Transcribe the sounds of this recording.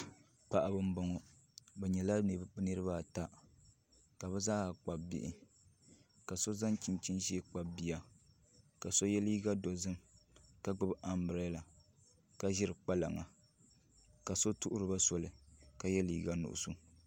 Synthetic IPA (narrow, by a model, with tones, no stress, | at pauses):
pa˨ʔa˨bɨ˦m̩˦bɔ˨ŋɔ˨ | bɛ˨ɲɛ˨la˦˨˦nɨ˦ɾɨ˦ba˦ta˦ | ka˨bɛ˦zaː˦˨k͡pa˨bbḭ˨ʔɪ̰˦ | ka˨so˦za˦nt͡ʃi˨nt͡ʃi˦nʒi˦e˨k͡pa˨bbi˨˦a˨ | ka˨so˦jɛ˦liː˦ɡa˦do˨zɨ˦m | ka˦ɡ͡bɨ˦bʔa˨mbɾɛ˦la˨ | ka˦ʒɪ˦ɾɨ˨k͡pa˦la̰˨ŋa˨ | ka˨so˦tu˦ʔʊ˦ɾɨ˨ba˦sɔ˨lɨ˨ka˨jɛ˦liː˨˦ɡa˦nṵ˨ʔʊ̰˨su˦